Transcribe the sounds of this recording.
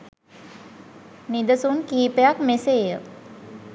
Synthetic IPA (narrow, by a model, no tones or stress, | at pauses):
nid̪əsunkiːpəjakmeseːjə